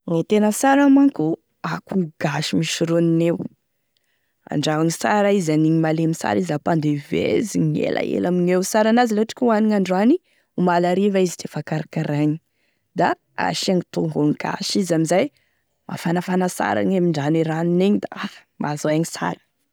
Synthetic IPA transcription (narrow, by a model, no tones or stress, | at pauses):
ŋit̪enəsaɾamaŋku | akuɡ̥aʃimiʃiɾuninew | a̰ɳɖ͡ʐaaɲisaɾaizaniɲimalemisa̰ɾizapand̪evḛziɲḛlʔa̰ḛlamiɲewsaɾanaziloʈ͡ʂi̥kʲuaniɲaɳɖ͡ʐani | umalaɾivaizi̥t̪ʰefakaɾakaɾaɲi̥ | d̪a | a̰ʃiaŋit̪uŋɡuŋɡ̥a̰ʃizamizaj | ma̰fanafanasa̰ɾa̰ɲamiɳɖ͡ʐaniɾanineɲid̪aa | mazaaɲisa̰ɾə̥